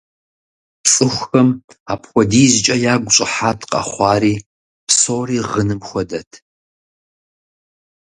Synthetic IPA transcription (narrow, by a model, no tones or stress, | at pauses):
pt͡sʼɨxʷxɐm | aːpxʷɔdiːzt͡ʃʼɐjaːɡʷʊɕʼɪħaːtʰqʼɐ̰χʷɑːriː | psoːriːʁənɨmxʷɔdɐtʰ